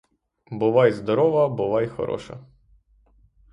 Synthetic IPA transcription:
bʊʋɑjzd̪ɔɾɔʋɐbʊʋɑjxɔ̰ɾɔ̰ʃɐ̰

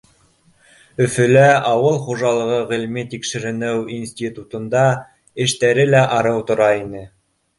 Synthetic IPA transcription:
ɵ̆fɵ̆læɑwɤlˠχuʒɑlˠɤ̆ʁɤʁĭlmit̪ikʃɘ̆ɾɘ̆nɘwinsʲt̪ʲit̪ut̪ŏnd̪ɑ | ɘ̆ʃt̪æɾɘlæʔɑɾɤwt̪ŏɾɑinɘ

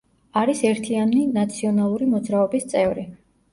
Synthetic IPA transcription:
aɾisɛɾt̪ʰianinat̪sʰiɔnalˠuɾimɔd̪zɾaɔbist̪sʼɛvɾi

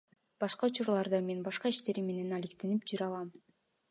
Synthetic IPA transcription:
b̥ɑʃqɑut͡ʃuɾlˠɑɾd̪ɑme̞nbɑʃqɑiʃt̪e̞ɾimːe̞ne̞nalikt̪e̞nipd͡ʒyɾɑlˠɑm

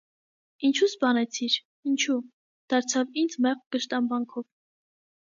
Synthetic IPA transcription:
int͡ʃʰusbɑnɛt͡sʰiɾ | int͡ʃʰu | d̪̥ɑɾt͡sʰɑvind͡zmɛʁɡ̥əʃt̪ɑnbɑŋkʰɔv

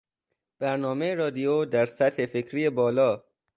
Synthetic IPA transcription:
b̥æɾnɒːmejeɾɒːd̪ijod̪æɾsæt̪he̞fe̞cʰɾiːjebɒːlɒː

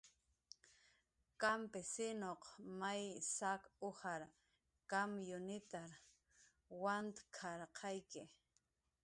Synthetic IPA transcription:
kampɪsɪnoqmajsakohaɾ | kamjʊnɪt̪aɾ | want̪kʰɑɾqʰɑjkɪ

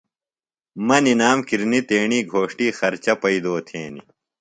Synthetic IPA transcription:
mɐninaːmkiɾnit̪eːɳiːɡʱoːʂʈiːxɐɾt͡ɕɐpɐid̪oːt̪ʰeːnḭ

